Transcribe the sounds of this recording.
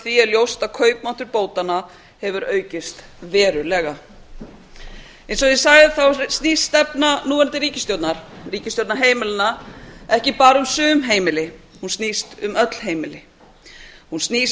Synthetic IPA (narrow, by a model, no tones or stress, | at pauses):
θviɛðljowst̪aðkʰœːɥpman̥t̪ʏɾpoːwt̪ana | hɛvʏɾœːɥcɪst̪ | vɛːɾʏlɛɣa | ɛjnsɔðjɛsaɣðɪθawst̪niːst̪ɛpnanuːɛnt̪ɪɾiːcɪst̪jowt̪naɾ̥riːcɪst̪jowt̪naɾɦeːjmɪlɪnːaɛhcɪpaːɾʏmsʏːmɦeːjmɪlɪhunsnist̪ʏmœt̪l̥ɦeːjmɪlɪ | hunst̪niːs